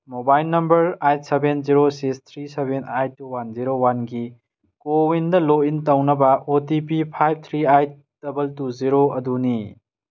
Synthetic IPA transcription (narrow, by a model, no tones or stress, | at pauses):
mobajlnɐmbɐɾajt̚sebenziɾosikst̪ʰɾisebenajtːuwanziɾowanɡi | kowindɐlointɐwnɐbɐotipipʰajb̚t̪ʰɾiajt̚ | d̥ɐbɐltuziɾoɐduni